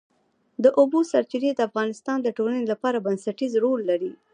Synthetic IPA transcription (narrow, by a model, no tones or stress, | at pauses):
d̪əʔobosaɾt̪iɾed̪əafɣɑnɪst̪ɑnd̪əʈolanelapɑɾabansaʈizɾolːaɾi